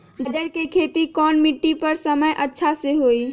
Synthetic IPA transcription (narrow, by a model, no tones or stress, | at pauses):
ɡəd͡ʒəɾkekʰet̪ikɔːnmiʈːipəɾsəməjʔətːʃʰaseɦoj